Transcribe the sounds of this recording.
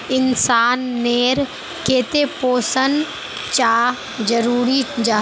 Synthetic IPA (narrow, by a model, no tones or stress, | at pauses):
ɪnsaːnːeːɾ | keːt̪epoːsən | t͡ʃaː | d͡ʒɐɾuːɾid͡ʒaː